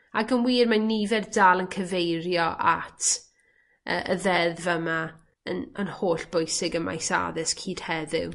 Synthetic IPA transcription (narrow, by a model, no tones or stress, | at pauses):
aɡənwiːrmanivɛrdaːlˠənkʰəvejrjɔʔatʰ | ʔə̰ːʔəðɛðvəma | ənənhoːɬb̥ʊjsɪɡəma̰jsa̰ðɪskʰiːd̥hɛðɪ̰w